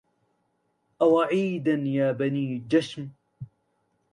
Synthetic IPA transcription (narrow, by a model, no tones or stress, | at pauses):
ʔawaʕiːd̪anjaːbaniːd͡ʒaʃm